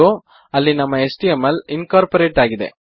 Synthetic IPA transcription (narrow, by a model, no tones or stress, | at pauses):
o | ɐlːinɐmːɐesʈijemːɐlinkaːɾpɐɾeːʈaːɡid̪e̞̰